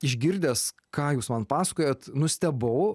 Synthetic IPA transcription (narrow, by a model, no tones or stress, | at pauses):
ɪʒʲɡʲɪɾʲd̪ʲeːs | kɑːjuːsmɐnpɑːsɐ̥koːjɛt̪nʊsʲt̪ʲɛbɐʊ